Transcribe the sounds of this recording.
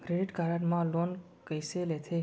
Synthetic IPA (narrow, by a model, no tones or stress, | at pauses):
kɾeɖiʈkaɾaʈmãlon | kəjselet̪ʰe